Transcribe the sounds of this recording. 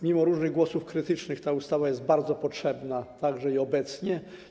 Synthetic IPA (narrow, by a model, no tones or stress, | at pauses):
mʲimɔɾuʐnɘɣɡwɔsufkɾɘt̪ɘt͡ʂnɘxt̪aust̪avajɛsd̪̚baɾd̪zɔpɔtʂɛbnat̪aɡʐɛiɔbɛt̪sɲɛ